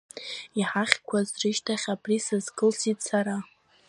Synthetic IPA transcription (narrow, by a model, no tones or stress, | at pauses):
iħaχʲkʷʰazrɨʃtʰaχʲapʼrisazkɨlsitʼsaɾa